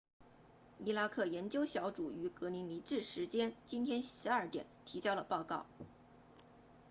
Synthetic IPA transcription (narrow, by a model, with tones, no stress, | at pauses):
i˧˥la˥kʰɤ˥˩jɛ˧˥nt͡ɕjo˥ʊɕjɑ˧˥ʊʈ͡ʂu˨˩y˧˥kɤ˧˥li˧˥mi˧˥ʈ͡ʂɻ̩˥˩ʂɻ̩˧˥t͡ɕjɛ˥nt͡ɕi˥nt̪ʰjɛ˥nʂɻ̩˧˥ɐ˞˥˧˩t̪jɛ̰˨˩˦nt̪ʰi˧˥t͡ɕjɑ˥ʊlə˨pɑ˥˧ʊkɑ˥˩ʊ